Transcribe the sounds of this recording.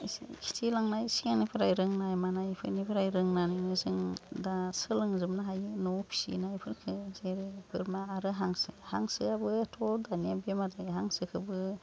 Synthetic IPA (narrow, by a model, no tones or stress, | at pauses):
kʰi̥tʰilaŋnajsiŋanipʰɯɾajɾɯŋnajmanajpʰɯ̰nipʰɯɾajɾɯŋnaninɯzɯŋdasɯlɯŋzɯmnaɦajɯnɔpʰi̥sḭnajpʰɯnkʰɯzeɾebɯɾmaːɾɯɦaŋsɯhaŋsɯabɯatʰɔdaniabemaɾdɯɦaŋsɯkʰɯbɯ